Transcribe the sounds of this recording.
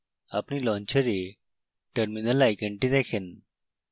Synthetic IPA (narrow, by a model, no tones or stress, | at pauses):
apnilɔ̃nt͡ɕəɾi | ʈəɾminəlajkəɳʈid̪ekʰin